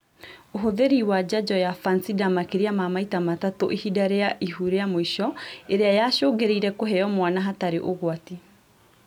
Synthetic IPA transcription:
oɦoðeɾiwad͡ʑad͡ʑɔjafansidamakeɾiamamaitamatatoʔehidaɾeaʔiɦuɾeamoiʃɔeɾeajaʃoːɡeɾeiɾɛkoɦɛjɔmwanaɦataɾeʔoɣwati

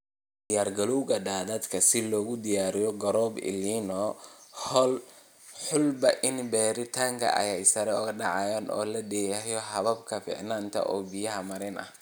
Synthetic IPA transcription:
d̪ɪjaːrɡɐluwɣɐɖaːd̪ɐd̪kʰɐsɪlɔːɣʊd̪ɪjaːɾɪjɔɡɐɾɔːbɪ̰liːnɔːhɔl | ħʊlbɐʔɪnbɛːɾɪt̪ʰaːŋkʰɐ̰ʔɐ̰jɛjsɐɾɛʊɣɐɖɑʕɑjaːnʔɔ̰ːlɐɖɛjjɔɦɐβɐbkʰɐfḭːʕnaːnt̪ʰɐ̰ʔɔ̰ːbɪjɐɦɐmɐɾɪnɐ̰h

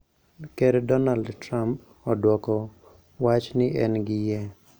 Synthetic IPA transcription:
keɾdɔnaldtɾamp̚ | ɔdwɔkɔ | wat͡ʃnɪʔɛnɡɪjɛ

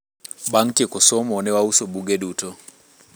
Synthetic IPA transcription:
baŋ̩kikɔsɔmɔnɛwausɔbuɡɛɗutɔ

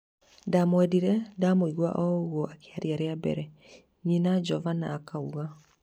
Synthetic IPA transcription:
ndamwɛdiɾɛdamoiɣwa̰ʔɔɣwɔʔakʰeaɾiaɾeabɛ̰ɾɛ | ɲinad͡ʒɔvana̰ːkauɣa

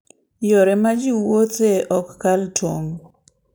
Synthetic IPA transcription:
jɔɾɛmad͡ʒiwot̪eʔɔkːaltwoŋ

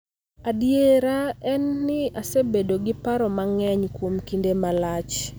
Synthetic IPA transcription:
adjeɾaɛnːɪasebedoɡɪpaɾɔmaŋɛɲkwomkindemalat͡ʃ

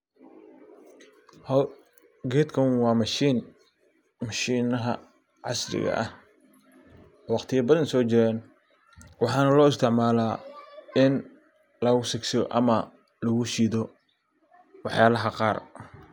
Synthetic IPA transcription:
hɐ | ɡɛːd̪kʰɐwɑːmɐʃiːn | mɐʃiːnɐɦɐ̰ | ʕɑ̰sɾɪ̰ɣɐ̰ʔɐ̰h | wɑqt̪ʰɪjɐbɐðɐnsɔːt͡ʃɪɾɛːn | wɑħɑːnɐlɔːɪst̪ʰɪʕmaːlaːɪn | lɐɣʊsɪksɪɔ̰ʔɐmɐ | lɐɣʊʃiːðɔ | wɑħjaːlɐɦɐqɑːr

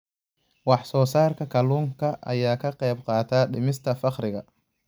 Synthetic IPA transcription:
wɑħsɔːsaːrkʰɐkʰɐluːŋkʰɐʔɐ̰jaːkʰɐqɛjbqɑːt̪ʰaːɗɪmɪst̪ʰɐfɑqɾɪɣɐ

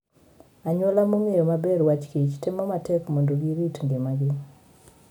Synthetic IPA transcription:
aɲwolamoŋejomabɛɾwat͡ʃkit͡ʃtemɔmatɛkmondoɡiɾitŋɡemaɡe

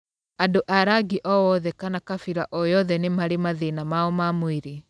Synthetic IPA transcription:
andoʔaɾaɡiʔɔwɔðɛkanakafiɾaʔɔjɔðɛnemaɾemaðenamaɔmamweɾe

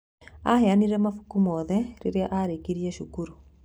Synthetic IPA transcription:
aheaniɾɛmafu̥kumɔːðɛɾeɾeaʔaɾekiɾiɛʃukuɾu

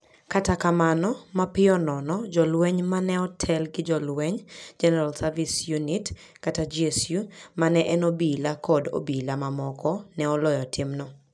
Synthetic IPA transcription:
katakamanɔmapɪɔnɔnɔd͡ʒɔlwɛɲmanɛɔtʰɛlɡɪd͡ʒɔlwɛɲd͡ʒɛnɛɾalsavisjunit | katad͡ʒesjumanɛʔɛnobilakɔdo̰bilamamɔkɔnɛɔlɔjɔtʰɪmnɔ

